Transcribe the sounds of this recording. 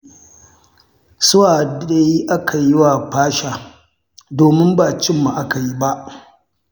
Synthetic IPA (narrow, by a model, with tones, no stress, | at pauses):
sʊ˦waː˨dɗe˦ji˦ʔa˦kʰa˨jɪ˦wa˨ɸaː˦ʃaː˨ | doː˨mɪ˦mba˨t͡ʃɪ˦mːa˨ʔa˦ka˨ji˦ba˦ʔ